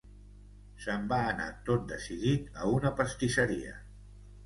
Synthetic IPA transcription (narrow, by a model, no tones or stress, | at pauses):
səmbaːna̰t̪ot̪̚d̪əsiðit̪əunəpəst̪isəɾiə̰